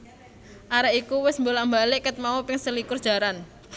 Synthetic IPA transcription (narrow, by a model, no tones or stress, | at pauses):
ʔaɾaʔikuwɪsmbolambalɪʔkət̪̚mawopɪŋsəlikʊrd̥ʒ̥a̤ɾan